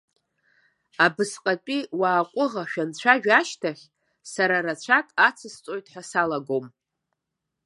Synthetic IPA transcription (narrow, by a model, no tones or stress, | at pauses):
abɨsqʼatʼiwaːqʷʼʊʁaʃᶣant͡ɕʷʰaʒᶣaʃtʰaχʲ | saɾarat͡ʃʷʰakʼat͡sʰɨst͡sʷʼo̞jtʼħʷasalaɡo̞m